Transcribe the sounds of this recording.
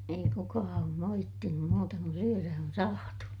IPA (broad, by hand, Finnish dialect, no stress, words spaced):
ei kukɑː oːm moitːinum muːtɑ kun syøræ on sɑːtu